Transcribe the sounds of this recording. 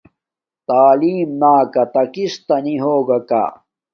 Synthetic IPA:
t̪aːliːmnaːkɐt̪ɐkist̪ɐniɦoːɡɐka̰ː

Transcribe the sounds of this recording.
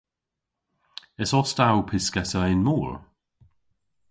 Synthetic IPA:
ɛsɔstawpʰɪskɛsəɛnmuːɹ

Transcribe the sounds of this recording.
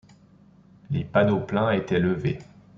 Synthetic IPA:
lepad̪oplɛ̃et̪ɛləve

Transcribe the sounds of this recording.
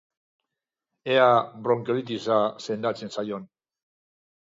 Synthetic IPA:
eabɾo̞ŋkolit̪̬isase̞nd̪at͡se̞nsajo̞n

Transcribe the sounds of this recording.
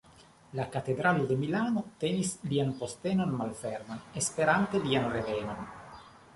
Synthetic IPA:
lakat̪ed̪ɾalud̪emilaːnot̪enislianpost̪eːnonmalfɛrmanespeɾant̪elianreveːnon

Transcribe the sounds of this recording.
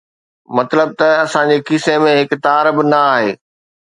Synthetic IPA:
mɐt̪ləb̚t̪ɐɐsãd͡ʑekisemẽɦɪkt̪aːɾbɪnɐaːɦeː

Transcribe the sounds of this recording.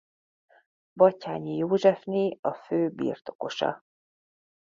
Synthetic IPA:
bɒcaːɲijoːʒɛfneːɒføːbḭːrt̪o̞̥ko̞ʃɒ̰

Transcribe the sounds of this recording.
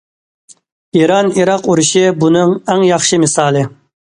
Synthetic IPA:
iɾɑniɾɑquɾuʃɪbunɨŋæŋjɑχʃɪmɪsɑːlˠɨ

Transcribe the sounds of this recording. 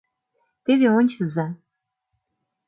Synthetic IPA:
t̪eβeonʲt͡ɕɤ̆zɑ

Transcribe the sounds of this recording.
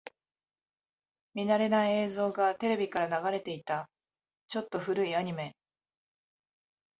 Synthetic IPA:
mʲinaɾe̞naie̞ːzo̞ːɡat̪e̞ɾe̞bʲikaɾanaɡaɾe̞t̪e̞it̪a | t͡ɕo̞t̪ːo̞ɸɯ̟ɾɯ̟iaɲ̟ime̞

